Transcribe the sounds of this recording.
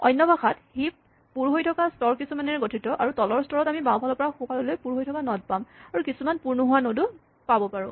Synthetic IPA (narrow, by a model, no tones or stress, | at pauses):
ɔ̰jnːɔbaxathip̚ː | uɹɦojtʰɔkastɔɹkisumanɛɹɡotʰitɔʔaɹutɔlɔɹstʰɔɹɔtamibãwpalɔpɔɹaxukalolojpuɹɦojtʰɔkanɔd̚pamaɹukisumanpuɹnuɦʊwanodu | pabɔpaɹʊ̃